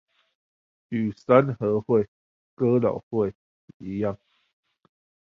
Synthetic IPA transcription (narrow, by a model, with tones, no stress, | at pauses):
y˨˩sa˦nhɤ˨˦hwe˥˨ɪ | kə˦lɔ̰˨˩hwe˥˨ɪ˨ | i˨˦ja˥˨ŋ